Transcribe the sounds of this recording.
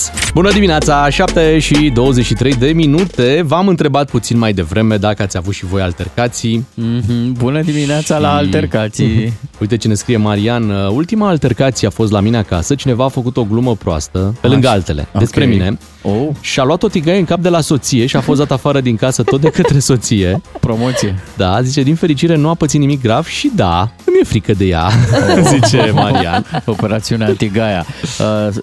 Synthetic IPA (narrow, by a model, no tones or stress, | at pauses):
bunəd̪imineat̪saʃap̚t̪eʃid̪o̞wəzet͡ʃʃit̪ɾe̞jd̪e̞minut̪e̞vamɨnt̪ɾe̞bat̪̚put̪sinmajd̪e̞vɾʔe̞me̞d̪akəat̪sʲavut̪ʃivo̞jalt̪e̞rkat̪siɦbunəd̪imineat̪salaːlt̪erkat̪siujt̪et͡ʃene̞skɾije̞maɾianult̪imaːlt̪e̞rkat̪sijeafo̞st̪lamine̞aka̰sət͡ʃine̞vaːfəkut̪o̞ɡluməpɾoa̰st̪əpelɨŋɡəalt̪e̞le̞̰d̪e̞spɾemine̞ | oʃialuat̪o̞t̪iɡajeɨŋkap̚d̪e̞laso̞t̪sije̞ʃiafos̬d̪at̪afaɾəd̪iŋkasət̪ot̪d̪e̞kət̪ɾe̞so̞t̪sije̞pɾomot̪sied̪azit͡ʃe̞d̪infe̞ɾit͡ʃiɾe̞nuapət̪sinnimik̚ɡɾav̥ʃid̪akumje̞fɾikəd̪e̞ja̰zit͡ʃemaɾia̰nopeɾat̪siuneant̪iɡaja̰ə